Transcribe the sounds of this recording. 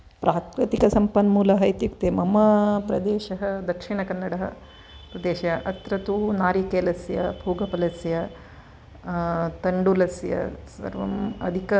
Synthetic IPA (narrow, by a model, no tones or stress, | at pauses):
pɾʔaːtɾit̪ikɐsɐmpɐnmuːlɐɦɐjt̪jukt̪emɐmɐpɾɐd̪eːʃɐɦɐd̪ɐkʂiɳɐkɐnːɐɽɐɦɐ̰ | pɾɐd̪eːʃɐɐʔɐt̪ɾɐt̪unaːɾikeːlɐsjɐ̰bʱuːɡɐpɐlɐsjɐ | t̪ɐɳɖulɐsjɐ̰sɐ̰ɾʋɐ̰mɐ̰d̪ʱikɐ